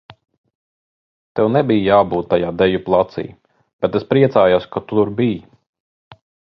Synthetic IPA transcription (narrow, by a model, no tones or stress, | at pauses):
t̪ɛwnɛbijjaːbuːt̪ːajaːd̪ɛjuplˠat̪sḭː | b̥ɛt̪espɾiɛsaːjasʲkat̪ut̪uɾbij